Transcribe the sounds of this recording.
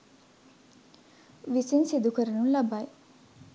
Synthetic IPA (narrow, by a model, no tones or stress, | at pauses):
ʋisinsid̪ukəɾənunlabaj